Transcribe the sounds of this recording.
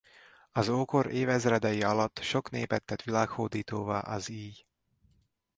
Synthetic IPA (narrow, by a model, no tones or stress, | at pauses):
ɒzoːko̞ɾeːvɛzrɛd̪ɛjiɒlɒt̪ːʃo̞knḛːpɛt̪ːɛt̪ʋilaːkhoːd̪iːt̪oːva̰ːʔɒziːj